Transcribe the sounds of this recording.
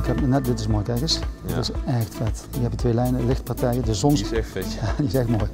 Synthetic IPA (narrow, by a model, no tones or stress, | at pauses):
ɪkhɛpnɛdɪtɪsmoːjtɛɹɣənsdɪtɪsɛxtfɛtjɛpjətʋeːlɛjnəlɪxt̚pɑɹtɛjədɪssɔnstadiɪsɛxtmoːj